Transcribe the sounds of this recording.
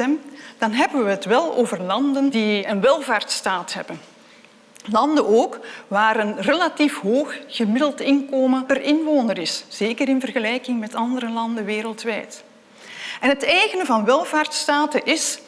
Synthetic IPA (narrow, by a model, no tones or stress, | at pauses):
ɛmd̥ɑnɦɛbənʋəɦətʋɛlˠo̰ːvərlɑndəndiənʋɛlˠvaːrtstaːtɦɛbən | lɑndənoːkʋaːɾənrelatifɦoːxɣəmɪdəlˠtɪnkoːmənpərɪnʋoːnəɾɪsz̥eːkəɾɪnvərɣəlɛjkɪŋmɛtɑndəɾəlɑndəʋeːɾəlˠtʋɛjt | ɛnɦətɛjɣənəvɑnʋɛlˠvaːrtstaːtəʔɪs